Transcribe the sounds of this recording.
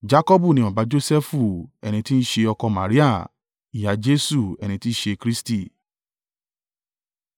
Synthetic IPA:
d͡ʒa˦kɔ˦bu˦˨nĩ˦ɔ˨ba˨˧˦d͡ʒo˦sɛ˦fu˦˨ɛ̰˨ñĩ˧ti˦n̩˦ʃe˧ɔ˧kɔ˧ma̰˨ɾi˦a˦˨ | i˨ja˨˦d͡ʒe˦su˦˨ɛ˨ñĩ˧ti˦ʃe˧kɾi˦sti˦˨

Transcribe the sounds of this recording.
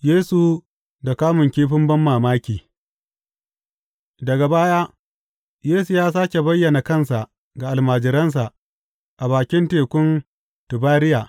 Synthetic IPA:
jeː˦su˨ | da˨kaː˦mʊ˨ŋkʲiː˦ɸɪ˦mbɐ˦mːaː˨maː˦kʲiː˨ | dɐ˨ɡa˨baː˦jaː˦ | jeː˦su˨jaː˦saː˦kʲe˨bɐ˦jːɐ˨na˨kɐ˦nsa˨ʔ | ɡa˨ʔa˨lmaː˨d͡ʒɪ˨ɾɐ˦ns̬a˨ʔ | ʔa˨baː˨kʲɪ˦nteː˨kʷʊ˦n | tʊ˨baː˦ɾɪ˦jaː˨

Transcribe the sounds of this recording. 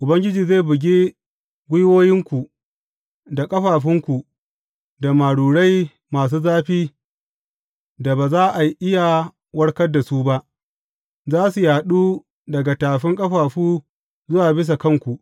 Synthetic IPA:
ʔʊ˨bɐ˦ŋɡʲɪ˦d͡ʒiː˨zeː˦˨bʊ˨ɡʲeː˦ | ɡʷʊ˦jwoː˦jɪ˦ŋkʷu˨ | da˨kʼɐ˦ɸaː˨ɸɪ˦ŋkʷu˨ | da˨maː˨ɽuː˨ɽa˦j | maː˨s̬uː˦zaː˦ɸiː˦ | da˨baː˨zaː˦ʔa˨jʔɪ˦ja˨ | wɐ˦ɽkɐ˦dːa˨suː˦ba˦ʔ | zaː˦su˨jaː˨ɗuː˦ | dɐ˨ɡa˨taː˨ɸɪ˦ŋkʼɐ˦ɸaː˨ɸuː˦ | zʊ˦waː˨bɪ˦s̬a˨kɐ˦˨ŋkʷu˨ʔ

